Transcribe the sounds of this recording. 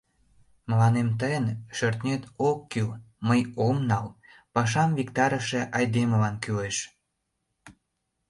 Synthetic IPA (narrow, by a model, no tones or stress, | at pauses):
məlɑnemt̪̬əjənʃørt̪nʲet̪okːyl | məjomnɑl | pɑʃ̬ɑmvikt̪ɑɾəʃĕʔɑjd̪eməlɑnkyleʃ